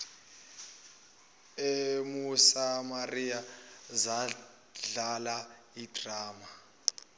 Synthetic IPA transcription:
emuusamarijaza | ɮala | id̥ʱraːma

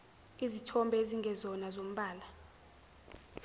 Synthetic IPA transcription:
izitʰɔmbʱɛeziŋɡʱɛzɔnazom̩ɓaːla

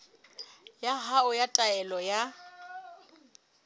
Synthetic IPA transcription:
jaɦaʊjatʼaɛlɔja

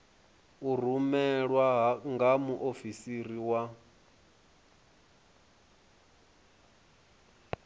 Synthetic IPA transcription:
ur̤umɛɺwaɦŋɡamuʔofisiɾiwa

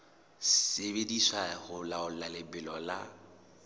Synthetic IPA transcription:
sebedisahʊlaʊlalɪbɪlɔla

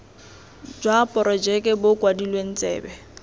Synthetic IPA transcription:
d͡ʒwapʼɔɾɔd͡ʒɛkʼɛbʊkʼwadilwen̩t͡sʼɛ̰ːbɛ

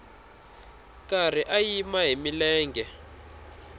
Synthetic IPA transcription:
kʼar̤iʔajimaɦimilɛːŋɡɛ

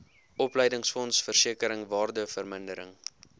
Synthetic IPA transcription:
ʔɔplɛjdəŋsfɔnsfərsiəkəɾəŋvɑːrdəfərməndəɾə̰ŋ

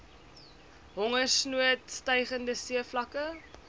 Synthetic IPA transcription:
ɦɔŋərsnuətstəjχəndəsiəflɐkə

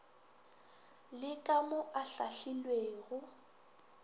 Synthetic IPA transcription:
lɪkʼamʊʔaɬaɬilweːɣʊ

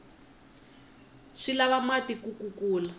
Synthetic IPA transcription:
ʂilaβamatikukukuːla

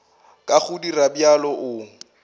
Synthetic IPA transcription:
kʼaχʊdirabjalɔʔʊ

